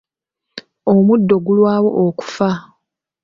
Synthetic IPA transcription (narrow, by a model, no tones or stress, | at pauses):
omudːo̞ɡulwaːwo̞ʔoku̥fa